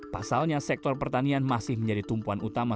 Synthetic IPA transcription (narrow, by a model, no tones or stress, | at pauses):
pasalɲasɛk̚t̪ɔrpərt̪anianmasɪhməɲd͡ʒadit̪umpuanut̪ama